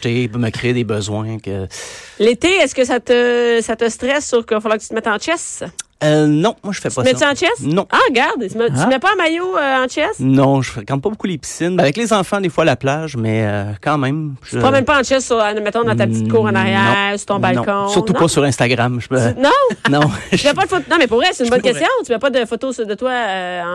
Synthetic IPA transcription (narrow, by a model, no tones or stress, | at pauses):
teipøməkʁeed̪ebəzwɛ̃kʲəlet̪eɛskʲəsat̪əsat̪əst̪ʁɛsːyʁkəafalwaːkət̪t͡syt̪mɛt̪ɑ̃t͡ʃɛsønɔ̃mwaʒəfɛpɔmɛiɑ̃t͡ʃɛsnɔ̃aɡaʁd̪mmɛpɔ̃majoøɑ̃t͡ʃɛsnɔ̃ʒəfʁekãt̪̚pɔbokulepi̥sɪnbɛavɛklezɑ̃fãd̪efwaːlaplaʒmɛøkɑ̃mɛ̃mʒpamɛ̃mpɑɑ̃t͡ʃɛsːyʁmɛt̪ɔ̃d̪ɑ̃t̪apət͡si̥t̪̚kuːʁɑ̃naʁjɛ̃ːʁsyʁt̪ɔ̃bal̃kɔ̃ssyʁt̪upɔsyʁɛ̃st̪aɡʁamʒə̥pønɔ̃nɔ̃ymɛpɔd̪əfot̪nɔ̃mɛpuʁvʁɛsɛ̥t̪ynbɔnkʲɛsjɔ̃t̪ymɛpɔd̪əfot̪osd̪ət̪waɑ̃